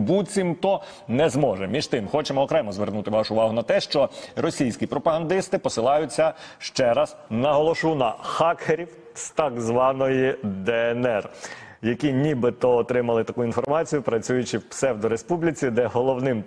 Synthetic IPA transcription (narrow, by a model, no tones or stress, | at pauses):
but͡sʲimt̪ɔ | nɛzmɔʒɛmʲiʒt̪ɪmxɔt͡ʃɛmɔɔkɾɛmɔzʋernut̪ɪʋɑʃʊːʋɑɦʊnɐt̪ɛʃt͡ʃɔrɔsʲijsʲkʲipɾʔɔpɐɦɐnd̪ɪst̪ɪpɔsɪlˠɑjʊt͡sʲːɐʃt͡ʃɛɾɐznɐɦɔlˠɔʃunɐxɑkʰeɾʲiw | st̪ɑɡzʋɑnɔjid̪ɛɛnɛrjɐkʲinʲibɪt̪ɔːt̪ɾɪmɐlˠɪt̪ɐkuinfɔrmɑt͡sʲijʊpɾɐt͡sʲujʊt͡ʃɪwpsɛwd̪ɔɾespublʲit͡sʲid̪ɛɦɔlˠɔwnɪm